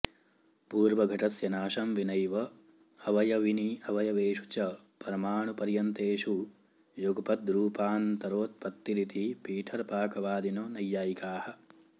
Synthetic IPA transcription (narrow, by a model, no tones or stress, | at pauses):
puːɾʋɐɡʱɐʈɐsjɐnaːʃɐmʋinɐjʋɐ | ɐʋɐjɐʋiniɐʋɐjɐʋeːʂut͡ʃɐpɐɾɐmaːɳupɐɾjɐnt̪eːʂu | juɡɐpɐd̪ɾuːpaːnt̪ɐɾoːt̪̚pɐt̪ːiɾit̪ipiːʈʰɐɾpaːkɐʋaːd̪inoːnɐjːaːjikaːhɐ̆